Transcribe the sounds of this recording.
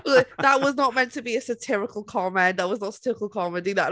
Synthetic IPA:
ðət̚wʌznət̚mɛ̃ntʰɨbiɨsɨtʰɪɹɨkl̩ˠkʰɑmæ̃nðət̚wʌznətsə̥tʰɪɹəkl̩ˠkʰɑmɨ̃diðəʔ

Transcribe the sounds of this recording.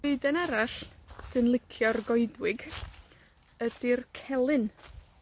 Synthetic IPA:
eɨdənaɾaɬsɨnlˠɪkʰjɔrɡɔɨdwɪɡ | əd̥irkʰɛlˠɨn

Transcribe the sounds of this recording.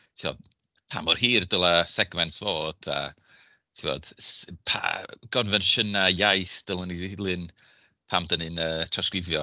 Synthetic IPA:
tʰivo̰d̥ | pʰa̰ːmɔrhiːrdəlˠasɛɡmɛntsvoːd̥a̰ | tʰivo̰ːd̥pʰa̰ɡ̥ɔnvɛnʃənajajθd̥əlˠənilˠɨn | pʰamdənɨnəːtʰraskrɪvjɔ

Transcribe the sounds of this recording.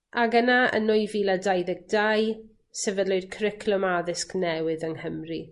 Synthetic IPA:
ʔaɡənaə̰nʊɨviːlˠadajðɛɡ̚daj | sɛvədlˠoɨd̥kʰrɪkʰlɔmaðɪsknɛwɪðəŋhəmri

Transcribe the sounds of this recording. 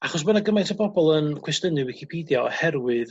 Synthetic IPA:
aχɔs̬bənaɡəmajtʰɔbɔbɔlˠənkʰw̥ɛstənɨwɪkʰipʰidjɔ̰hɛrwɨð

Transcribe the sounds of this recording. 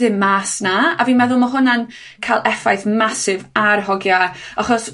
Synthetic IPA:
ðɪmmaːsnaaviːnmɛðʊlˠmaɦʊnan | kʰajlˠʔɛfajθmasɪvarɦɔɡjaaχɔs

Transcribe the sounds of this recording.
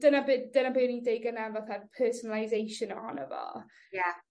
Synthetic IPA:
d̥ənabɪdənabɪnidejɡənavaθapʰəːsənalˠajzejʃənɔnəvɔ̰ | ja

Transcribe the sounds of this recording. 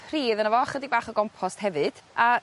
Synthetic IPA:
riːðənəvɔχədibaːχɔɡɔmpʰɔsthɛvɨd̥a

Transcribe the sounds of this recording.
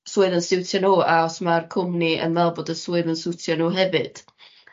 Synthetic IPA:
swʊɨðənsɪwtʰjɔnuːaɔsmarkʰʊmniʔə̰nvɛlˠboːdəswʊɨðənsɪwtʰjɔnuɦɛvɨd̥

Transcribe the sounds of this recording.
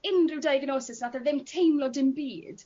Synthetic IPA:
ɪnrɪwdajɡnoːsɪsnaθaðɪmtʰejmlɔdɪmbiːd̥

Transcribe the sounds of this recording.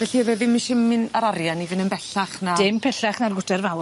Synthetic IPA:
vɛɬiveːðɪminʃɪmːɪnaɾaɾjanivɪnənbɛɬaχnad̥ɪmpʰɛɬaχnarɡʊtɛrvaw

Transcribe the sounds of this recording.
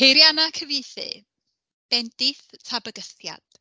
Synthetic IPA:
ejɾjanakʰəvejθɨ̰ | b̥ɛndɪθtʰabəɡəstja̰d̥

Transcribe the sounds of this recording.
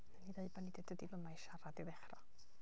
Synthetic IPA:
nəniðeɨbanidəd̥ədilˠəmajʃaɾadiðɛχrɔ

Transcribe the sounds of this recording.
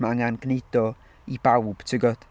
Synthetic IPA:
maaŋanɡned̥ɔ | ibawb̥tʰɪɡɔd̥

